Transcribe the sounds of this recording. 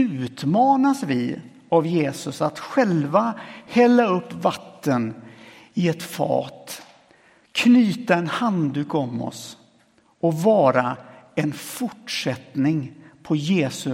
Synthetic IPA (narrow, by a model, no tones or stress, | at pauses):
ʉ̟ːt̪mɑːnasvɪ | avjeːsɵsat̪ɧɛlvahɛlːaɵpːvat̪ʰːən | ɪɛt̪fɑ̰ːt̪ | kʰnyːt̪aɛnhand̪ʉːkɔmːɔ̰s | ɔvɑːɾaɛnfʊʈʂɛt̪nɪŋpʰɔjeːsɵ